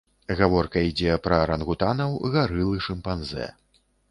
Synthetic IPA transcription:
ɣavɔrkɐid͡zʲɛpɾɐɾɐnɣut̪anɐwɣaɾɨlˠɨʂɨmpanzɛ̰

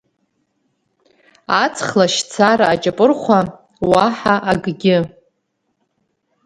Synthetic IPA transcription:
at͡sʰχlaʃt͡sʰaraːt͡ʃʼapʼɨrχʷa | waħaʔaɡɡʲɪ

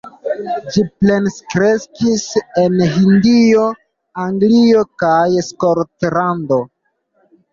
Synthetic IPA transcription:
d͡ʒiple̞nskɾe̞skise̞nɦindio̞ | aŋɡlio̞kajskoɾtlando̞

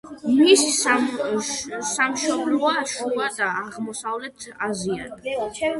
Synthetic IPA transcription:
misis | samʃɔblɔaʃuad̪aːʁmɔsavlɛt̪ʰazia̰nɛ

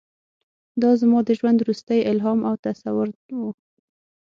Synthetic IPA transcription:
d̪ɑzmɑd̪əʒwand̪wɾust̪əjɪlɦɑmʔawt̪asawʊɾwu

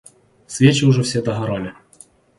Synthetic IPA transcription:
sʲvʲet͡ɕɪuʐɛfsʲed̪ɐɦaɾalʲɪ

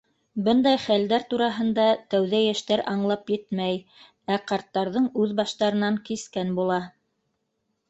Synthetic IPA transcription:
bɤnd̪ɑjχæld̪æɾt̪uɾɑɦɤ̆nd̪ɑt̪æwðæjæʃt̪æɾɑɴlˠɑpjɘt̪mæj | æqɑɾt̪ːɑɾðɤɴʉðbɑʃt̪ɑɾɤ̆nɑŋkiskænbulˠɑ

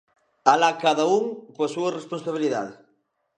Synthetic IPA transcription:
alakaðɐuŋkoɐsuɐresponsaβ̞iliða̰ðe

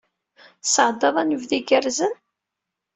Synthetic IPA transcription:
səʕd̪ɑðˤænəvðiɡəɾzən

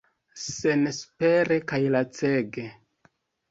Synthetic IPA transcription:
senspeɾe̞kajlat͡seɡe

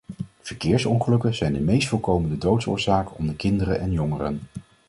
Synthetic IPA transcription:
v̥əɹkɪːɹsɔnχəlɵkənz̥ɛjndəmejstfɔlˠkowməndədowtsʊ̰ːɹzaːkəɔmdəkɪndəɾənʔɛnjɔŋərə̰n

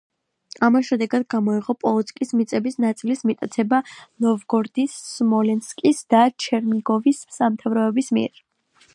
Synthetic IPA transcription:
amasʃɛd̪ɛɡad̪ɡamɔiʁɔpʼɔlˠɔt̪sʰkʼismit̪sʼɛbisnat̪sʼilismit̪ʼat̪sʰɛbanɔvɡɔɾd̪isːmɔlɛnskʼisd̪̥at͡ʃʰɛɾniɡɔvisːamt̪ʰavɾɔɛbismiɛ̰ɾ

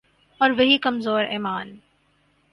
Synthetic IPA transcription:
ɔːɾʋɐɦikɐmzoːɾɛːmaːn

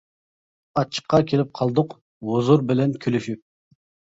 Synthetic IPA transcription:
ɑt͡ʃʰːə̥qʰːɑkʲʰelɪp̚qʰɑlˠd̪ʊq | wozuɾbɪlɛnkʲʰølyʃyp̚

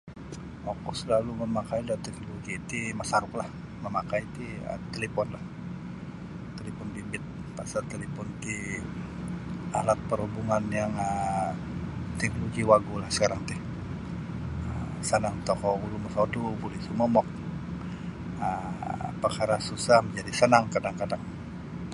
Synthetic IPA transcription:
okɔsəlaluməmakaidat̪ɛk̚noloɡit̪imasaɾʊklah | məmakajt̪iə̰t̪elepɔnlah | t̪elefɔnbimbɪt̪̚ | pasart̪elepɔnt̪i | a̰lat̪̚pəɾubuŋanjaŋə | t̪ɛk̚loɡiwaɡulahsə̥kaɾaŋt̪ɪh | ə | sənaŋt̪ɔkɔuluməsadubolɛhsuməmɔk̚ | əpəkaɾasusahməɲd͡ʒadisənaŋkadaŋkadaŋ

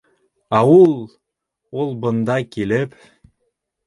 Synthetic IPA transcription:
ɑulˠ | ulˠbɤ̆nd̪ɑkilɘp

